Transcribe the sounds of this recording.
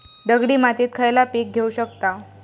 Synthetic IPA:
d̪əɡɽiːmat̪iːt̪̚kʰəjlapik̚ɡʱeuɕək̚t̪a

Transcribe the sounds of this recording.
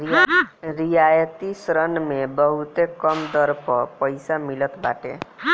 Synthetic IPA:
ɾijajt̪isɾʌnmebʌɦut̪ekʌmd̪ʌɾpʰʌpʌjsamilʌt̪baʈḛ

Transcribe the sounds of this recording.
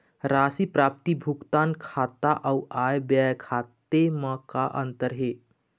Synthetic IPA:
ɾaːsipɾaːp̚t̪ibʱukt̪aːnkʰaːt̪aʔɐwʔaːjbjaːjkʰaːt̪emãkaʔə̃nt̪əɾɦeː

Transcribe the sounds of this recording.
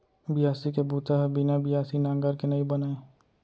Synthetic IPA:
bɪjaːsikebuːt̪aɦbinabɪjaːsinãːŋɡəɾkenɐɦĩbɐnaːe

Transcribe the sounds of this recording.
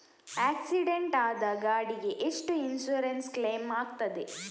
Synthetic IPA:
æːksiɖeɳʈaːd̪aːɡɐaɐɽiɡeʔeʂʈuinsuːɾenskleːmaːɡ̚t̪ɐd̪e

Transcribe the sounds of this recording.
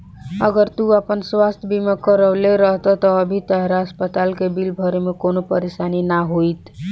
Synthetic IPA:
əɡəɾt̪uəpənswast̪ʰbʱimekəɾəleɾəɦt̪ɔt̪ɔːbʱit̪ɦɾɦəspət̪alkebilbʱəɾemekonopəɾesaninaɦojt̪

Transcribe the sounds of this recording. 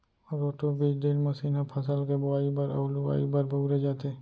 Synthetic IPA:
ɔɾoːʈobiːt͡ʃɖ̪eːlmɐsiːnɐpʰɐsəlkebʊaːibɐɾɐ̰ːlua̰ːibɐɾbʱɐɡɾed͡ʒaːt̪e

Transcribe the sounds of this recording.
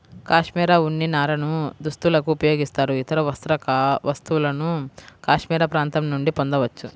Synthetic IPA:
kaːʂmiːɾaːunːinaːɾɐnud̪ust̪ulɐkuːpɐjo̞ːɡist̪aːɾuit̪ɐɾɐʋɐst̪ɾɐkʋɐst̪uʋulɐnukaːʂmiːɾaːpɾaːnt̪ɐmnuɳɖipond̪ɐʋɐt͡ʃːu

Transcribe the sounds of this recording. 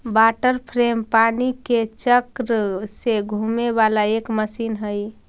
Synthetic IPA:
baʈəɾpʰɾempaniket͡ʃəkɾəseɡʱumeβalaekməsinɦəj

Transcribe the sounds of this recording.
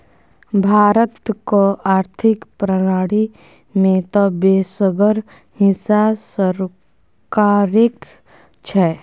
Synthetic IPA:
bʱaːɾət̪koaːɾt̪ʰɪkpɾənaːɽi | mẽt̪ɔbeːsəɡəɾ | hɪsasəɾ | kaːɾɪk | t͡ʃʰɛ

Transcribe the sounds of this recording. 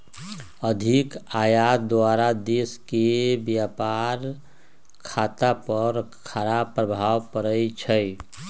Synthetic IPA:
əd̪ʱikaːjat̪̚d̪aɾad̪eːskebjaːpaɾ | kʰaːt̪apəɾ | kʰaɾabpːɾəbʱaːwpəɾəit͡ʃʰəj

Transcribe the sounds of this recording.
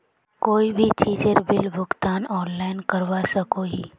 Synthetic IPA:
koːibʱit͡ʃiːd͡ʒeɾbɪlbʱʊɡt̪aːnɔːnlaːɪnkɐɾʋasɐkoɦiː

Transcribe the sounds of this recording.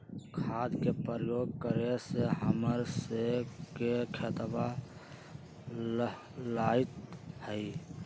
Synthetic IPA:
kʰad̪kepəɾəjoɡ̚kəɾeseɦəməɾsekekʰet̪ba | lait̪həi

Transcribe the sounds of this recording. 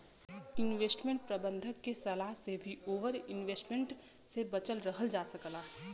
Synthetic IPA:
ɪnʋeːsʈmẽɳʈ̚pɾɐbə̃nd̪ʱəkːesɐlaːɦsebʱioːʋəɾɪnʋeːsʈmẽɳʈ | sebɐt͡ʃəlɾəɦəld͡ʒaːsəklaː

